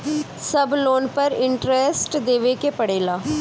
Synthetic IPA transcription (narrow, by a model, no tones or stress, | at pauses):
səbloːnpəɾɪɳʈɾesʈd̪eːʋeːkeːpəɽeːlaː